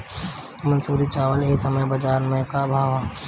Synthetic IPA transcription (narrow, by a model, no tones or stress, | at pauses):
mɐnsuːɾit͡ʃaːʋəleːsɐməjbɐd͡ʒaːɾmə̃kabʱaːʋa